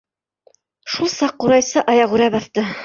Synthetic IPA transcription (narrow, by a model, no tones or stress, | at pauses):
ʃulˠsɑqːuɾɑjsɤʔɑjɑʁʉɾæbɑθt̪ɤ